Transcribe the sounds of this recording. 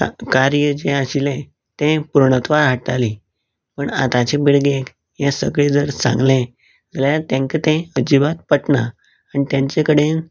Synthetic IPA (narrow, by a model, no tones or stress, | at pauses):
kaɾjəd͡ʑẽaɕilɛ̃ | t̪ɛ̃puɾɳət̪ʋaɾɦaʈali | pəɳa̰t̪ãt͡ɕẽbiɽɡek | jɛ̃səɡɭed͡zəɾsã̰ŋɡlẽ | d͡zaljaat̪ɛ̃ŋkət̪ɛ̃əd͡ʑibat̪̚pəʈɳa | anit̪jãɲt͡ɕekəɽen